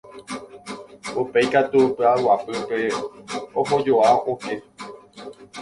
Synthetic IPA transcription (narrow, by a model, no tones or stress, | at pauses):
upe̞jkat̪upɨawapɨpe̞ | õɦod͡ʒoaõke̞